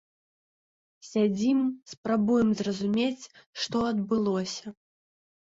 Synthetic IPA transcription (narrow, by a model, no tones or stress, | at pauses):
sʲad͡zʲimspɾabujɛmzrɐzumʲet͡sʲʂt̪ɔɐd̪bɨlˠɔsʲɐ